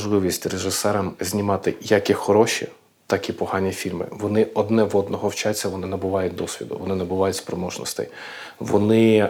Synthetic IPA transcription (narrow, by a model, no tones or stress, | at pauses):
ʒlˠɪʋʲisʲtʲreʒɪsɛɾɐmzʲnʲimɑt̪ɪjakʲixɔɾɔʃḭ | t̪ɑkipɔhɑnʲifʲilʲmɪ̰ʋɔnɪɔd̪nɛʋɔd̪nɔɦɔwt͡ʃat͡sʲːɐʋɔnɪnɐbʊʋɑjʊt̚ʲd̪ɔsʲʋʲḭd̪ʊ̰ʋɔnɪnɐbʊʋɑjʊtʲspɾɔmɔʒnɔ̰st̪ɛ̰j | ʋɔ̰nɪ